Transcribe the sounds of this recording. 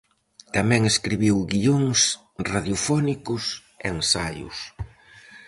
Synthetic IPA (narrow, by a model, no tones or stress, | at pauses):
t̪amɛ̃ŋeskɾiβiwɡioŋs | raðjofɔnikʊs | eŋsajʊ̰s